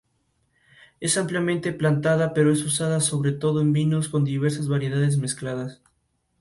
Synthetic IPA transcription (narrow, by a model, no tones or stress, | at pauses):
e̞sampljamẽnt̪e̞plant̪aðape̞ɾoe̞susaðaso̞βɾe̞t̪o̞ðo̞embino̞sko̞nd̪iβ̞e̞ɾsazβaɾje̞ðaðe̞zme̞sklaðas